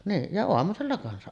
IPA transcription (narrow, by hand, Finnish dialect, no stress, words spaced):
niːn jɑ oɑmuselːɑ kɑnsɑʔ